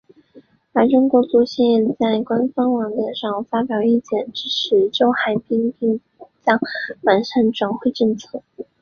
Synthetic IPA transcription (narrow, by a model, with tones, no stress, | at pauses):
ə˞˧˥ʈ͡ʂʊ˥ŋkwɔ˧˥t͡su˧˥ɕɛ˥n˧ɛ˥˧nt͡sa˥˩ɪkwa˥nfɑ˥ŋwɑ˧˥ŋt̪jɛ˨˩nʂɑ˥˩ŋfa˥pjɑ˨˩ʊi˥˩t͡ɕjɛ˨˩nʈ͡ʂɻ̩˥ʈ͡ʂ̩ʰ˧˥ʈ͡ʂo˥ʊxa˨˧˩ɪpi˥ŋpi˥˩ŋ | t͡ɕjɑ˥ŋwa˨˧˥nʂa˥˩nʈ͡ʂwa˧˥ŋxwe˥˧ɪʈ͡ʂə˥˧t͡sʰɤ˥˩